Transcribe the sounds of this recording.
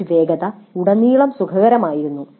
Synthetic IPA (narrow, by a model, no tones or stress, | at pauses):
ʋe̞ːɡɐðɐuɽɐniːɭɐmsukʰɐɣɐɾɐmaːjiɾunːu